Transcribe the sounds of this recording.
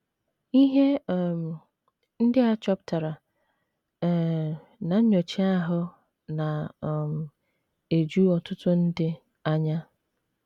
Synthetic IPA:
i˦ɦe˦˨m˨ | n̩˦dɪ˦a˦t͡ʃɔ˦pta˨ɾa˨ | na˨ɲ̩˦ɲo˨t͡ʃi˦a˦ɦʊ˦ | na˨ | e˨d͡ʒu˦ɔ˨tʊ˦tʊ˦n̩˦dɪ˦ | a˦ɲa˦

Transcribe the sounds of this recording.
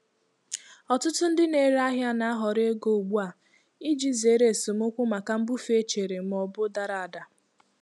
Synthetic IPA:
ɔ˨tʊ˦tʊ˦n̩˦dɪ˦ne˨˦ɾa˦ɦja˦na˦ɦɔ˨ɾɪ˦e˦ɡo˨u˨ɡ͡bu˦a˨ | i˦d͡ʒi˦ze˨˦ɾe˦˨sʊ˨m̩˦ʊ˦kʷʊ˦ma˨ka˦m̩˦bʊ˦fe˦t͡ʃe˨ɾe˨m̩˦ɔ˦bʊ˦da˨ɾa˨a˨da˨

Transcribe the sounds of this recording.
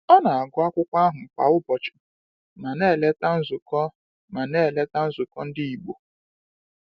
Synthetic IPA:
ɔ˦na˨a˨ɡʊ˦a˦kʷʊ˦kʷa˦ɦʊ˨k͡pa̰˨ʊ˦bɔ˨t͡ʃɪ̥˨ | ma˨ne˦˨le˦ta˦n̩˦zʊ˨kɔ˦ | ma˨ne˦˨le˦ta˦n̩˦zʊ˨kɔ˦n̩˦dɪ˦i˨ɡ͡bo˨

